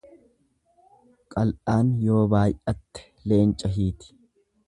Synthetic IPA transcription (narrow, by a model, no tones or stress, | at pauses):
kʼɐlʔaːnjo̞ːbaːjʔɐt̪ːɛ̥le̞ːnt͡ʃʼɐɦiːt̪ɪ̥